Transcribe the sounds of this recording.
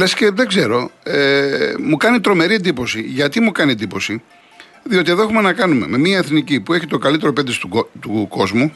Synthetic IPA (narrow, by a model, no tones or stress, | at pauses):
lesceðe̞ɡze̞ɾo̞emukɐnit̪ɾo̞me̞ɾiend̪ipo̞siʝɐt̪imukɐniend̪ipo̞si | ðio̞t̪ieðoe̞xume̞nɐkɐnume̞̰me̞miɐeθnicipue̞çit̪o̞kɐlit̪e̞ɾo̞ped̪ist̪uot̪uko̞zmu